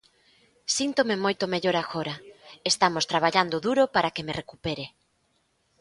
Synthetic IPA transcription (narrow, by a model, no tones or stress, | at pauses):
sint̪omemojt̪omeʎoɾaɣoɾaest̪amost̪ɾaβ̞aʎand̪oðuɾopaɾakemerekupeɾe